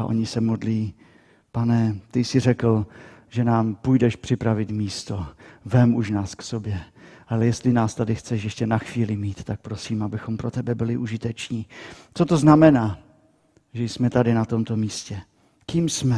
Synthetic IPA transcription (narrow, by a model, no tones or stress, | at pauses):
aʔo̞̰ɲɪsɛmo̞dliː | panɛt̪ɪsɪr̝ɛkl̩ʒɛnaːmpujdɛʃpr̝̥ɪpɾavɪt̪miːst̪o̞vɛmuʃnaːsksobjɛʔalɛjɛst̪lɪnaːst̪adɪxt͡sɛʃjɛʃcɛnaxviːlɪmiːt̪t̪ak̚pɾo̞siːmabɪxo̞mpɾo̞t̪ɛbɛbɪlɪʔuʒɪt̪ɛt͡ʃɲiːt͡sot̪o̞znamɛnaː | ʒɛjsmɛt̪adɪnat̪o̞mt̪o̞miːscɛ | kiːmsmɛ